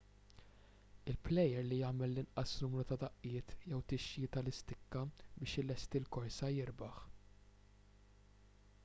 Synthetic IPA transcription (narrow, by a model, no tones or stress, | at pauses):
ɪlplɛjɛɾlijɐːmɛlːɪnʔɐsnʊmɾut̪ɐd̪ɐʔːɪːt̪jɛwt̪ɪʃjɪt̪ɐlɪst̪ɪkːɐbɪːʃɪlɛst̪ilkɔɾsɐjɪɾbɐħ